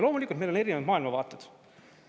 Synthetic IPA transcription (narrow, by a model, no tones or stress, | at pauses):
lo̞ːmulikːˑult̪melo̞ne̞ɾinevɑd̪mɑːilmɑvɑːt̪ːˑud̪̥